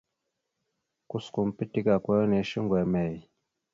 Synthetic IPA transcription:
ku˦sku˨mpi˦ti˦ka˨kwo˦ne˨˦ʃi˦ŋɡwɛ˨mɛ˨j

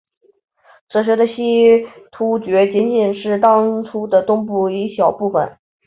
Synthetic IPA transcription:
t͡sɤ˨˩ɕɥɛ˧˥d̪ə˧ɕi˥t̪ʰu˥t͡ɕɥɛ˧˥t͡ɕi˧˥nt͡ɕi˨˩nʂɻ̩˥˩t̪ɑ˥ŋʈ͡ʂʰu˥d̪ə˨t̪ʊ˥ŋpu˥˩i˧˥ɕjɑ˨˩ʊpu˥˩fə̰˨˩n

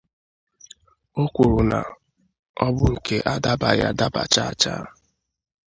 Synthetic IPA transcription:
o˦kʷu˨ɾʊ˨na̰˨ | ɔ˦bʊ˦ŋ̩˨ke˦ʔa˦da˦ba˨ja̰˦da˦ba̰˨t͡ʃa˦a˦t͡ʃa̰˦

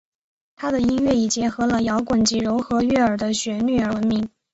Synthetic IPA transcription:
t̪ʰa˥d̪ə˨i˥nɥɛ˥˩i˨˩t͡ɕjɛ˧˥nxɤ˧˥lə˧jɑ˧˥ʊkwə˨˩nt͡ɕi˧˥ɻʊ˧˥ʊxɤ˧˥ɥɛ˥˩ə˞˨˩d̪ə˦ɕɥɛ˧˥ny˥˩ə˞˧˥wə˧˥nmi˧˥ŋ

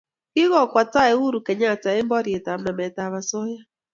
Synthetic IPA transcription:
i˦ɣɔ˨kʷa˨ta˦e˨u˦ɾu˨ke˨ɲa˦˨ta˨e˦m̩˦bɔ˦ɾje˨ta˨m̩˦na˨me˨ta˨βa˨so˦ja˦

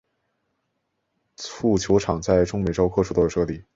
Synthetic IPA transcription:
t͡sʰu˥˩t͡ɕʰjo˧˥ʊʈ͡ʂʰɑ˨˩ŋt͡sa˥˩ɪʈ͡ʂʊ˥ŋme˨˩ɪʈ͡ʂo˥ʊkʰɤ˥˧ʈ͡ʂʰu˥˩ɔ˥˧˩ʂɤ˥˩li˥˩

